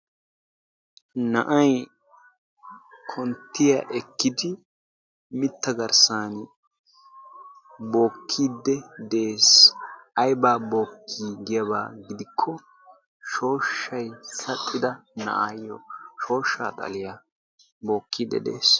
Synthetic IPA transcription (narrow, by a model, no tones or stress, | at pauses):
nɐʔɐj | kʰɔnt̪ːɪjɐʔɛkːɪd̪ɪ | mɪt̪ːɐɡɐɾsaːn | bo̞ːkʰːiːd̪ːɛd̪e̞ːsɐjbaːbo̞ːkʰːiːɡɪjɐβa̰ːɡɪd̪ɪkʰːɔ | ʃo̞ːʃːɐjsɐt̪ʼːɪd̪ɐnɐ̰ʔaːjːɔ̰ʃo̞ːʃːa̰ːt̪ʼɐ̰lɪja | bo̞ːkʰːiːd̪ɛ̰d̪e̞̰ːs